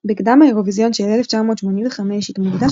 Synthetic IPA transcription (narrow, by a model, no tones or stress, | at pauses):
bekd̪amaeʁo̞vizjo̞nʃelʔeleft͡ʃamo̞ːt̪ʃmo̞ninveχameʃit̪muɡd̪a